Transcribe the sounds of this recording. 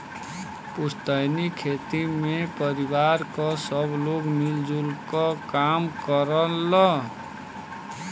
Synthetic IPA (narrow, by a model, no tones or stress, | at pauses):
pust̪əjnikʰet̪imepʌɾibaɾkɔsʌbloɡmild͡ʒulkɔkamkʌɾʌlːʌ